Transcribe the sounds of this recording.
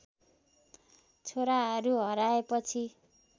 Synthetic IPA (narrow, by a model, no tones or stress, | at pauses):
t͡sʰoɾaɦʌɾuɦʌɾaepʌt͡sʰi